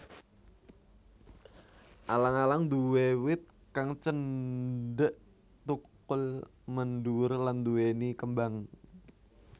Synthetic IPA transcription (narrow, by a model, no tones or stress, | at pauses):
ʔalaŋalaŋd̪uwewɪt̪̚ | kaŋt͡ʃəndəʔ | t̪uk | ʊl | mənduʊrland̪uwenikəmbaŋ